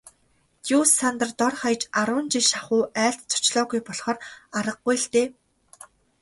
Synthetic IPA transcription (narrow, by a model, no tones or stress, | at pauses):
t̪jusant̪ə̆rt̪ɔrχajt͡ɕaɾʊːnt͡ɕiʃaχʊːæːɬt̪t͡sʰʊ̥t͡ɕɮɔːɣujpɔɮχɔːraɾə̆q̚ːujɬt̪eː